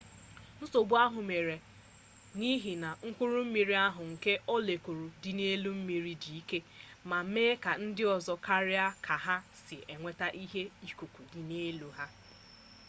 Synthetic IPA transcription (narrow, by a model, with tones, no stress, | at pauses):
n̩˦so˨bu˦a˦ɦʊ˨me˨ɾe˨ | ni˦ɦi˨na˨ŋ̩˦kʷu˦ɾu˦m̩˦mi˨ɾi˦a˦ɦʊ˨ŋ̩˨ke˦ʔɔ˦le˨ku˨ɾu˨dɪ˨ne˦lu˦m̩˦mi˨ɾi˦di˨i˦ke˦ | ma˨˦meː˦ka˨n̩˦dɪ˦ɔ˨zɔ˨ka˦ɾɪ˦a˦kʰa˨ɦa˦sɪ˨ʔe˨ŋʷe˦ta˦ʔi˦ɦe˦i˦ku˨kʷu˨dɪ˨ne˦lu˨ɦa˦